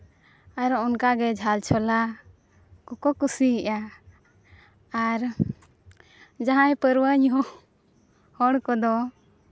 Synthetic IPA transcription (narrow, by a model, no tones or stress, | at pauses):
aɾɔunkaɡɛd͡ʒʱalt͡ʃʰɔla | kɔkɔkusiɦɛʔa | ɾ | d͡ʒaɦãjpəɾwəɲɦɔ | hɔɽkɔd̪ɔ